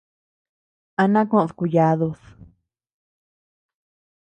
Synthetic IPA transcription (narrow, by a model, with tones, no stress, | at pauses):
a˧nã˦kõ˦ʔðku˧ja˧˦ðu˧s